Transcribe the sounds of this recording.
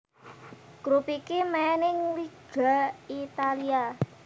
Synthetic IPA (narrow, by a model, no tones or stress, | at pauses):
ɡ̥ɾupikemenɪŋliɡ̥a̤it̪alia